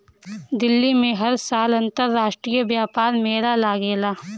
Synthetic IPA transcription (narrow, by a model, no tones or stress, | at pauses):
d̪ɪlːimẽɦɐɾsaːlɐ̃nt̪əɾːaːʃʈɾijəʋjaːpaːɾmeːɾalaːɡeːlaː